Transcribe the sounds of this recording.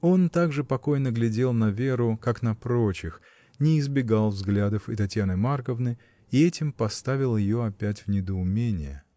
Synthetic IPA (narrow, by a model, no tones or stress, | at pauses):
o̞nt̪aɡʐɨpɐko̞jnəɡlʲɪdʲe̞lˠnɐvʲe̞ɾʊkaknɐpɾo̞t͡ɕɪx | nʲɪːzbʲɪɡalˠvzɡlʲad̪əfɨt̪ɐtʲjanɨmarkəvnɨj | ɪɛtʲɪmpɐst̪avʲɪlˠjɪjo̞ɐpʲætʲvnʲɪd̪əʊmʲenʲɪ̰jə̰